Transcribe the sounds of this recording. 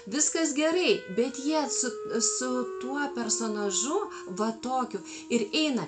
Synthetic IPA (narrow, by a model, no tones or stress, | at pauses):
ʋʲɪskɐsɡʲɛɾɐɪbʲɛt̪jiɛsʊsʊt̪uɔpʲɛrsoːnɐʒʊ | ʋɐt̪oːkʲʊ | ɪɾɛɪnɐ